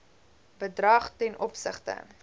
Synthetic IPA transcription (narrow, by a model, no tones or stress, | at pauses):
bədrɐχtɛnʔɔpsə̰χtə̰